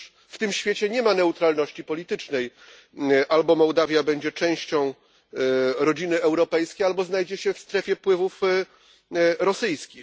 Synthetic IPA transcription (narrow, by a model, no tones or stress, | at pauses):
ft̪ɘmɕfʲjet͡ɕɛɲɛmanɛut̪ɾalnɔɕt͡ɕipɔlʲit̪ɘt͡ʂnɛj | ʔalbɔmɔwd̪avʲjabɛɲd͡ʑɛt͡ʂɛ̃w̃ɕt͡ɕɔ̃w̃ | ɾɔd͡ʑinɘɛwɾɔpɛjskʲejalbɔznajd͡ʑɛɕɛfst̪ɾɛfʲjɛpwɘvuf | ɾɔsɘjskʲi